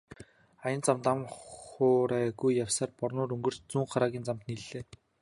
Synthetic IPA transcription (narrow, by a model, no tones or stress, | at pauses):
ajə̆nt͡samt̪amχʊːɾæːɣujːawsaːrpɔrnʊːɾɵŋɡɵ̆r̥t͡ɕt͡suːɴχaɾaːɣʲiːnt͡samt̪niɮːeː